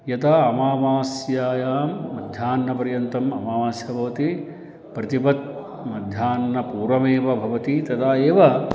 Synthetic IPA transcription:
jɐt̪ʰaɐmaːʋaːsjaːjaːmːɐd̪ʱjaːnːɐpɐɾjɐnt̪ɐmɐmaːʋaːsjɐbʱɐʋɐt̪i | pɾɐt̪ipɐt̪̚ | mɐd̪ʱjaːnːɐpuːɾɐmeːʋɐbʱɐʋɐt̪it̪ɐt̪ʰaːeːʋɐ

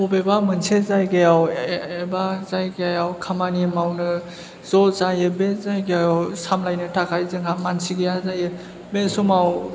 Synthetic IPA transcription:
ubebamɯnsezajɡejawebazajɡeajawkʰamanimawnɯ | z̥ɔzajɯbezajɡejajawsamlajnɯtʰakʰajzɯŋhamansiɡejazajɯ | besumaw

